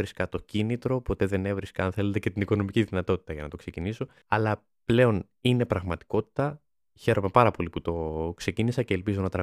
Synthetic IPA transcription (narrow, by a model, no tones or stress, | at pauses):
ɾiskɐt̪o̞cinit̪ɾo̞po̞t̪e̞ðe̞ne̞vɾiskɐɐnθe̞let̪e̞ce̞t̪iniko̞no̞miciðinɐt̪o̞t̪i̥t̪ɐʝɐnɐt̪o̞kse̞ciniso̞ | ɐlɐ | ple̞o̞n | ine̞pɾɐɣmɐt̪i̥ko̞t̪i̥t̪ɐ | çe̞ɾo̞me̞pɐɾɐpo̞liput̪o̞kse̞cinisɐce̞ːlpizo̞nɐt̪ɾɐ